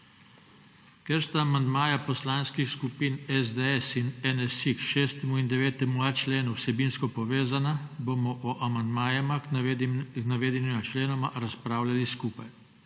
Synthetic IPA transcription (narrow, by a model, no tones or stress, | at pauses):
kɛɾst̪aːmand̪maːjapɔslaːnskixskupinɛzd̪eɛsinɛnɛsikʃeːst̪ɛmuind̪ɛʋeːt̪ɛmuat͡ʃleːnuwsɛbiːnskɔpɔʋeːzanabomɔʔɔʔamand̪maːjama | knaʋeːd̪ɛnimat͡ʃleːnɔmaɾaspɾaːwlaliskuːpaj